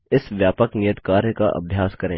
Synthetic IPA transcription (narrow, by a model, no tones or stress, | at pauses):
ɪsʋjaːpəknijət̪kaːɾjəka̰ʔɐ̰bʱjaːskɐɾẽː